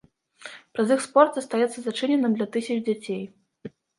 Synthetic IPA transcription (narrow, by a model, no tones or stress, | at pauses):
pɾɐzixspɔrt̪zɐst̪ajɛt̪sːɐzat͡ʂɨnʲɛnɨmd̪lʲɐt̪ɨsʲɐt͡ʂd͡zʲat͡sʲej